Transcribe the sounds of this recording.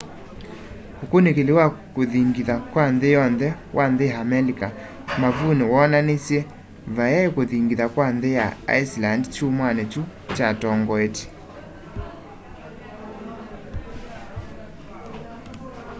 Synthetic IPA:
okonekelewakoðiŋɡiðakwanðejɔnðɛwʔanðejaamɛlika | mavunewɔnanesjɛ | vajaekoðiŋɡiðakwanðejaa̰islandt͡ʃumwanɛt͡ʃu | t͡ʃatɔŋɡɔete̥

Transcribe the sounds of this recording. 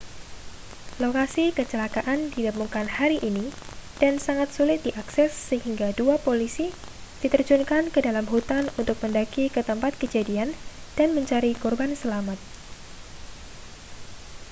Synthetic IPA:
lokasikət͡ʃəlakaʔandidamuŋkanhaɾiʔinid̥ansaŋat̪̚sulɪt̪̚diʔaksɛsːəɦiŋɡaduapolisi | d̥it̪ərd͡ʒunkankədalamɦut̪anunt̪ʊk̚məndakikət̪əmpat̪̚kəd͡ʒadiand̥anməɲt͡ʃaɾikɔrbansəlamat̪̚

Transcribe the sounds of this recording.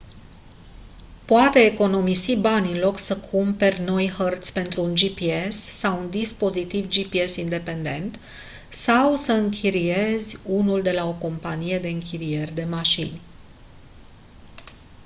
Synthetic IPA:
poat̪e̞ːko̞no̞misibanʲɨnlo̞ksəkʰumpe̞rʲno̞jhərt̪sʲpe̞nt̪ɾuːnd͡ʒipie̞sːawund̪ispo̞zit̪ivd͡ʒipie̞sind̪e̞pe̞nd̪e̞nt̪ | sawsəɨŋkʲʰiɾije̞zʲunuld̪e̞lao̞ko̞mpanije̞d̪e̞ɨŋkʲiɾije̞rʲd̪e̞maʃinʲ

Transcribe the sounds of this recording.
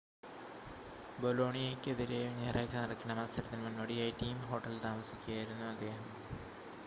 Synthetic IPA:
bolo̞ːɳijekʲːɨeðiɾejuneːrɐjt͡ɕːɐnɐrɐkʲːɐɳɐmɐlsɐɾɐt̪ːilmunːɐɽijaːjiʈiːmɦo̞ːʈːɐlt̪aːmɐsikʲːuɣaːjiɾunːuɐd̪ːe̞ːɦɐm

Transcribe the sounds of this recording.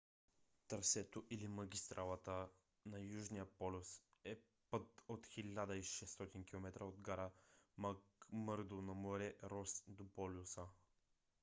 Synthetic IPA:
t̪əɾsɛt̪oʔilimɐɡʲist̪ɾʔalˠət̪ə | nɐjuʒnijəpɔlʲʊsɛ | pət̪ot̪xilʲad̪əiʃɛst̪ɔt̪inkʲilˠomɛt̪ɾʔəod̪ɡaɾəmməɾd̪onɐmoɾɛɾɔsd̪opɔlʲusə

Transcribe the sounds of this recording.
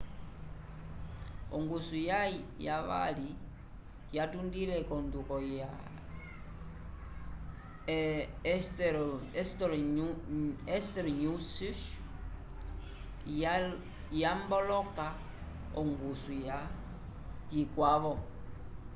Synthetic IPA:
ɔŋɡusujajaβa̰li | jatundilɛkɔndukɔja | stɛstɔɾ | ɛstɛɾɲusiʃ | jambɔlɔka | ɔŋɡusuja | d͡ʒikwaβɔ

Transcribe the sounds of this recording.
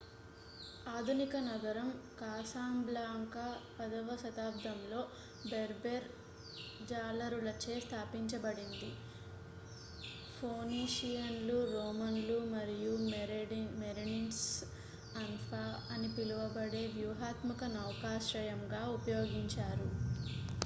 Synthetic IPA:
aːd̪ʱunikɐnɐɡ̪ɐɾɐmkaːsaːmblaːŋkɐpɐd̪ɐʋɐʃɐt̪aːbd̪ʱɐmlo̞ː | beɾbeɾ | d͡ʒaːlɐɾulɐt͡ʃe̞ːst̪ʰaːpiɲt͡ʃɐbɐɽind̪i | pʰoːniːʂijɐnluɾoːmɐnlumɐɾiju | meɾinins | ɐnpʰaː | ɐnipiluʋɐbɐɽe̞ːʋjuːɦaːt̪mɐkɐnɐwkaːʃɾɐjɐmɡaːupɐjo̞ːɡiɲt͡ʃaːɾu

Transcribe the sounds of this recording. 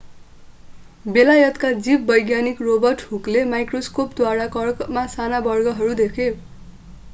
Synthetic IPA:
belajʌt̪kad͡zib̚bʌjɡjanikrobʌrʈhuklemajkroskopd̪waɾakʌrkmasanabʌrɡʌɦʌɾud̪ekʰe

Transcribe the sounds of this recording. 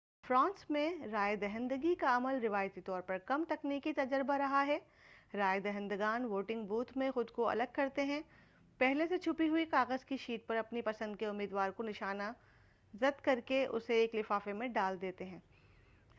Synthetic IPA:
fɾãːnsmẽɾaːjed̪ɐɦə̃nd̪əɡikaɐməlɾɪʋaːjt̪it̪ɔːɾpɐɾkɐmt̪ɐkniːkit̪ɐd͡ʒəɾbaɾɐɦaɦɛː | ɾaːjed̪ɛɦə̃nd̪əɡaːnʋoːʈɪ̃ŋɡbuːt̪ʰmẽxʊd̪koɐ̰ləɡ̚kɐɾt̪eɦɛ̃ | pɛɦleset͡ʃʰʊpiɦʊikaːɣəzkiʃiːʈ̚pɐɾɐpnipɐsə̃nd̪keʊmːiːd̪ʋaːɾkonɪʃaːna | zɐd̪kɐɾkeʔʊ̰seːklɪfaːfemẽɖaːld̪eːt̪eɦɛ̃ː

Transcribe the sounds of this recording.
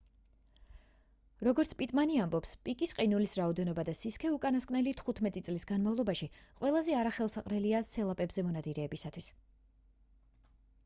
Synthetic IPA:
ɾɔɡɔɾt̪sʰpʼit̪ʼmaniambɔpspʼikʼisqʼinulisɾaɔd̪ɛnɔbad̪asiskʰɛukʼanaskʼnɛlit̪ʰχut̪ʰmɛt̪ʼit̪sʼlisɡanmavlˠɔbaʃiqʼwɛlˠazɛaɾaχɛlˠsaqʼɾɛliasɛlˠapʼɛbzɛmɔnad̪iɾɛːbisat̪ʰwis

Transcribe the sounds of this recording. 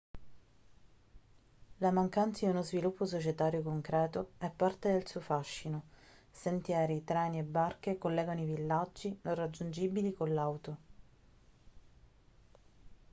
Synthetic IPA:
lamaŋkant̪sad̪iunozvilupːos̬ot͡ʃet̪aːɾjokoŋkɾɛːt̪oɛpːart̪ed̪elsuːofaʃːinosent̪jɛːɾit̪ɾɛːniebːarkekolːɛːɡanoivilːad͡ʒːinõrad͡ʒːund͡ʒibilikolːawt̪o

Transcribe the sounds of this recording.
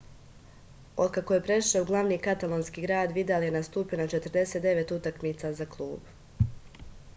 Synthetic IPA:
o̞d̪̚kakoje̞pɾe̞ʃouɡlˠaʋniːkat̪alˠonskiːɡɾaːd̪ʋid̪aljenast̪uːpionat͡ʃe̞t̪ɾd̪e̞set̪d̪e̞ʋe̞t̪ut̪akmiːt̪sazaklˠuːb̥

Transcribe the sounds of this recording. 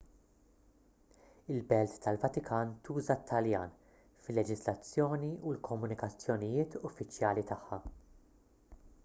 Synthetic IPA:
ɪlbɛlt̪ːɐlvɐt̪ɪkʰɐːnt̪uːzɐt̪ʰːɐljɐːn | fɪlːɛd͡ʒɪzlɐt͡sːjɔːniulkʰɔmːʊnɪkɐt͡sːjɔnɪjɪːt̪ʊfːɪt͡ʃjɐːlit̪ɐħːɐ

